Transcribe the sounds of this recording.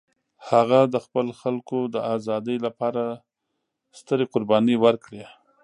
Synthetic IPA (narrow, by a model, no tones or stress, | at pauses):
haɣad̪əxpəlxalkod̪əazɑd̪əjlapɑɾa | st̪əɾeqʊɾbɑniwəɾkɽe